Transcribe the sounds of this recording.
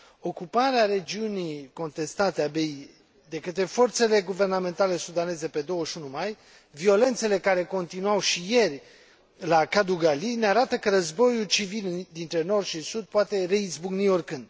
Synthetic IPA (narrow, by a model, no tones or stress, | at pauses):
o̞kupaɾeaɾe̞d͡ʒiunijko̞nt̪e̞st̪at̪eabe̞i | d̪e̞kət̪ɾe̞fo̞rt̪se̞le̞ɡuve̞rname̞nt̪ale̞sud̪ane̞ze̞pe̞d̪o̞wəʃʲunumaj | vio̞le̞nt̪se̞le̞kaɾe̞ko̞nt̪inuawʃije̞rʲ | lakad̪uɡalineaɾat̪əkəɾəzbo̞jult͡ʃivild̪int̪ɾe̞no̞rd̪ʃisud̪̚poat̪e̞re̞izbuɡnio̞rkɨnd̪